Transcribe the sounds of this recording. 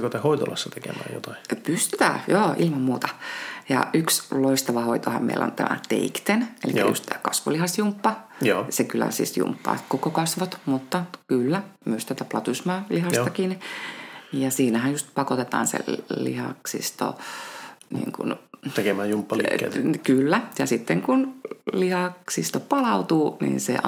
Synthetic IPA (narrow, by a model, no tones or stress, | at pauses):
kot̪ehoit̪o̰lɑ̰sːɑt̪ekḛmæ̰ːjo̰t̪ɑipyst̪y̥t̪æ̰ːjoːʔilmɑmmuːt̪ɑjɑ̰yksloist̪ɑʋɑhoit̪ohɑ̰mmḛilːo̰nt̪æ̰mʔæ̰t̪ḛikt̪enelḭkæjust̪t̪æːkɑsʋo̰lihɑsjumpːɑsekylːæ̰sḭsjṵmpːɑ̰ːkokokɑsʋot̪mut̪ːɑkylːæmyøst̪æt̪æplɑt̪usmɑːlihɑst̪ɑkin | jɑsiːnæhæjjust̪pɑkot̪et̪ɑ̰ːnsḛlḭhɑ̰ksḭst̪o̰ | nḭːŋkṵnt̪ekemæjumpːɑlḭkylːæjɑsit̪ːeŋkunlihɑksist̪opɑlɑut̪uːnḭːnsḛ